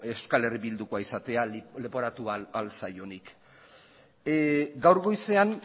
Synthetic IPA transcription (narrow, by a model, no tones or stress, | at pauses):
e̞skale̞riβild̪ukoaisat̪e̞alepo̞ɾat̪uaalsajo̞nik | ɡawɾɣo̞jse̞an